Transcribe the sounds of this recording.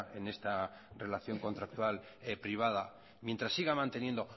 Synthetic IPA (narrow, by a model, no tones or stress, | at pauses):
enest̪a | re̞laθjo̞ŋko̞nt̪ɾak̚t̪wal | epɾiβ̞að̞a | mje̞nt̪ɾasːiɣamãnt̪e̞nje̞nd̪o